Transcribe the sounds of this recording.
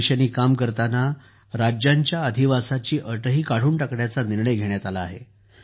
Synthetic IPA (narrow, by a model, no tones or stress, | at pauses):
ɕaniːkamkəɾt̪ana | ɾad͡ʑjaɲt͡ɕjaəd̪ʱiʋasat͡ɕiːʔəʈəɦiːkaɽ̤uːɳʈəkɽjat͡saniɾɳəjɡʱeɳ̃jat̪alaːɦḛ